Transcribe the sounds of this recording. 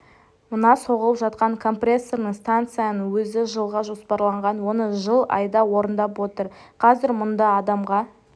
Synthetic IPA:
mʊnɑso̞ʁəlˠəpʒɑt̪̚qɑŋkʰo̞mprʲe̞sːo̞rnəɴst̪ant̪sɨjanənwɵzɪʒəlˠʁɑʒo̞spɑɾlˠɑɴʁɑnwo̞nəʒəlˠɑ̰jd̪ɑwo̞ɾənd̪ɑpwo̞t̪əɾqʰɑzɪɾmʊnd̪ɑːd̪ɑmʁɑ

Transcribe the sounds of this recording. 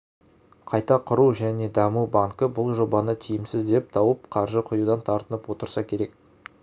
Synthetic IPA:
qʰɑjt̪ɑqʰʊɾuʒæne̞d̪ɑmubaŋkəbʊlˠʒo̞bɑnət̪ʰijɪmsɪzd̪e̞p̚t̪ʰɑwəp̚qʰɑɾʒəqʰʊjud̪ɑnt̪ʰɑɾt̪ənəpwo̞t̪əɾsɑkʲʰe̞ɾe̞k

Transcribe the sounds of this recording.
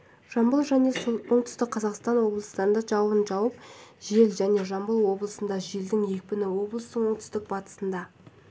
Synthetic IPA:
ʒ̥ɑmbəlˠʒæne̞sooɴt̪ʏ̥st̪ɪk̚qʰɑzɑqst̪ɑnwo̞blˠəst̪ɑɾənd̪ɑʒɑwənʒɑwəp̚ʒe̞lʒæne̞ʒɑmbəlˠwo̞blˠəsənd̪ɑʒe̞ld̪ɪŋje̞k̚ʲpɪnɪwo̞blˠəst̪əɴwo̞ɴt̪ʰʏ̥st̪ɪk̚bɑt̪ə̥sənd̪ɑ

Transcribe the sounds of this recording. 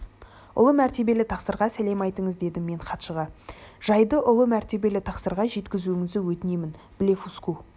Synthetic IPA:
ʊ̰lˠəmæɾt̪e̞be̞lɪt̪ʰɑqsəɾʁɑsæle̞mɑjt̪əɴəzd̪e̞d̪ɪmːe̞ɴχɑt̪ʃəʁɑʒ̥ɑjd̪əʔʊlˠəmæɾt̪e̞be̞lɪt̪ʰɑqsəɾʁɑʒe̞t̪kʲɪzuɪŋɪzd̪ɪwɵt̪ɪne̞mɪn | b̥ɪle̞fusku

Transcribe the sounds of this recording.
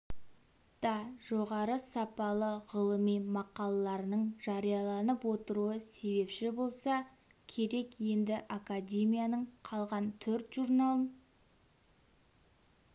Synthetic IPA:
d̪̥ɑʒo̞ʁɑɾəsɑpɑlˠəʁəlˠəmijmɑqɑlˠɑlˠɑɾənəɴʒ̥ɑɾijɑlˠɑnəpwo̞t̪əɾuəse̞βe̞pʃɪbo̞lˠsɑ | kʲʰe̞ɾe̞kje̞nd̪ɪʔakadʲe̞mijanəɴqʰɑlˠʁɑnt̪ʰɵɾt̪ʒuɾnɑlˠəɴ

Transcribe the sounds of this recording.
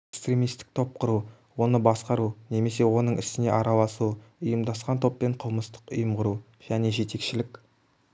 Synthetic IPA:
ekst̪ɾʲe̞mijst̪ɪ̥k̚t̪ʰo̞p̚qʰʊɾu | wo̞nəbɑsqɑɾune̞me̞se̞wo̞nəɴʔɪ̰sɪne̞ʔɑɾɑlˠɑsuʊjəmd̪ɑsqɑnt̪ʰo̞pːe̞ɴqʰəlˠməst̪ə̥qʊ̰jəmqʊɾu | ʒ̥æne̞ʒe̞t̪e̞kʃɪlɪkʲ

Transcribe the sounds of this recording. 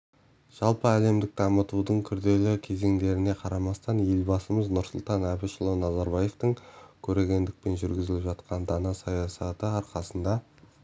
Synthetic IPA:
ʒ̥ɑlˠpəæle̞md̪ɪk̚d̪ɑmət̪ud̪əɴkʲʰʏɾd̪e̞lɪkʲʰe̞ze̞ŋd̪e̞ɾɪne̞qʰɑɾɑmɑst̪ɑnje̞lbɑsəməznʊɾsʊlˠt̪ɑnæbɪʃəlˠənɑzɑɾbɑje̞ft̪əɴkʲʰɵɾe̞ɡʲe̞nd̪ɪk̚pe̞nʒʏɾɡʲɪzɪlɪpʒɑt̪qʰɑnd̪ɑnɑsɑjɑsɑt̪əɑɾqɑsənd̪ɑ

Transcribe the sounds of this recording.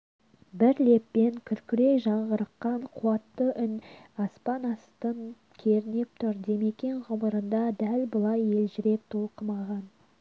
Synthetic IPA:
bɪɾle̞pːe̞ŋkʲʰʏɾkʲʏɾe̞jʒɑɴʁəɾəqːɑɴqʰuɑt̪ːəʔʏnɑspɑnɑst̪ən | kʲʰe̞ɾɪne̞p̚t̪ʰʊɾd̪e̞me̞kʲe̞nʁʊməɾənd̪ɑd̪ælbəlˠɑje̞lʒɪɾe̞p̚t̪ʰo̞lˠqəmɑʁɑn

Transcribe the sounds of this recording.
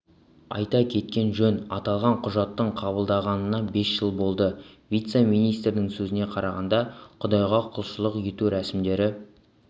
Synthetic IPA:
ɑ̰jt̪ɑkʲʰe̞t̪kʲe̞nʒɵnɑ̰t̪ɑlˠʁɑɴqʰʊʒɑt̪ːəɴqʰɑβəlˠd̪ɑʁɑnənɑbe̞sʒəlˠbo̞lˠd̪əvʲijt̪se̞mijnijst̪ɾɪnɪŋsɵzɪne̞qʰɑɾɑʁɑnd̪ɑqʰʊd̪ɑjʁɑqʰʊlˠʃəlˠəqe̞t̪uɾæsɪmd̪e̞ɾɪ

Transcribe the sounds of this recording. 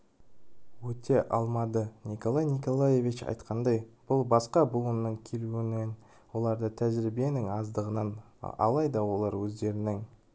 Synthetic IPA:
wɵt̪ʰe̞ʔɑlˠmɑd̪ənʲiko̞lˠajniko̞lˠaje̞vit͡ʃɑ̰jt̪qʰɑnd̪ɑjb̥ʊlˠbɑsqɑbʊlˠənːəɴkʲʰe̞luwɪnɪn | wo̞lˠɑɾd̪ət̪ʰæʒɪɾibe̞nɪŋɑzd̪əʁənɑn | ɑ̰lˠɑjd̪ɑwo̞lˠɑɾwɵzd̪e̞ɾɪnɪŋ

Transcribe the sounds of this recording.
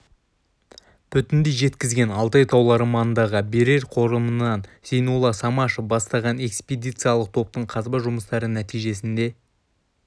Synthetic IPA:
p̪ʰʏt̪ɪnd̪ejʒe̞t̪kʲɪzɡʲe̞nɑlˠt̪ɑjt̪ʰɑwlˠɑɾmɑnənd̪ɑʁəbe̞ɾe̞ɾqʰo̞ɾəmənɑnse̞jnulˠɑsɑmɑʃəbɑst̪ɑʁɑne̞kspʲed̪ijt̪sɨjalˠəq̚t̪ʰo̞p̚t̪əɴqʰɑzbɑʒʊməst̪ɑɾənæt̪ijʒe̞s̬ɪnd̪e̞

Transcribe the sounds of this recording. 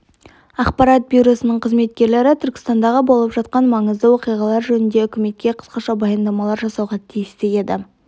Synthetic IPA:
ɑqpɑɾɑt̪̚bʲijɾo̞sənəɴqʰəzme̞t̪̚kʲe̞ɾle̞ɾɪt̪ʰʏɾkʲɪ̥st̪ɑnd̪ɑʁəbo̞lˠəpʒɑt̪qɑnmɑɴəzd̪əwo̞qijʁɑlˠɑɾʒɵnɪnd̪e̞ʏkʲɪme̞t̪̚kʲe̞qʰə̥sqɑʃɑbɑjɑnd̪ɑmɑlˠɑɾʒɑsɑwʁɑt̪ʰijɪst̪ej̪e̞d̪ɪ

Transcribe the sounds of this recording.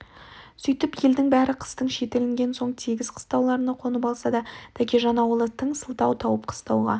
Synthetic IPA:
sʏjt̪ɪpje̞ld̪ɪŋbæɾɪqʰə̥st̪əɴʃe̞t̪e̞lɪŋɡʲe̞nso̞ɴt̪ʰiɡʲɪzqʰə̥st̪ɑwlˠɑɾənɑqʰo̞nəpɑlˠsɑd̪ɑt̪ʰækʲeʒɑnɑwəlˠət̪ʰːəɴsəlˠt̪ɑwt̪ʰɑwəp̚qʰə̥st̪ɑwʁɑ̰

